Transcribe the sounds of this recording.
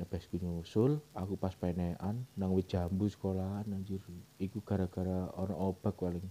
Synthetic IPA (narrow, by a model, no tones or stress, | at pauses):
nəb̥ɛ̤sɡ̥uɲusʊlakupaspeneʔanːaŋwɪt̪̚dd͡ʒ̥a̤mbusə̥kolanaɲd͡ʒʊrikuɡ̥a̤ɾaɡ̥a̤ɾaɔnɔʔob̥a̤kwalɪŋ